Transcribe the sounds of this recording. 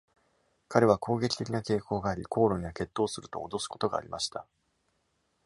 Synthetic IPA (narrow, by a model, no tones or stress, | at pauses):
kaɾe̞β̞akʰo̞ːɡe̞kʲi̥t̪e̞kʲinake̞ːko̞ːɡaːɾʲikʰo̞ːɾo̞ɲ̟iβake̞t̪ːo̞ːsɨɾɯ̟t̪o̞̰ːd̪o̞sɨ̥ko̞t̪o̞ɡa̰ːɾʲimaɕi̥t̪a